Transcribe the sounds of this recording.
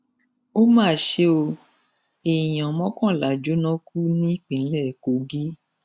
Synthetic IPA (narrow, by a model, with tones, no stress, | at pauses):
o˦mãː˦˨ʃe˦o˧ | e˨j̃ã˨mɔ̃˦kɔ̃˦˨la˨d͡ʒo˨˦nɔ̃˦ku˦nĩ˦k͡pĩ˨˦lɛ˦˨ko˨˦ɡi˦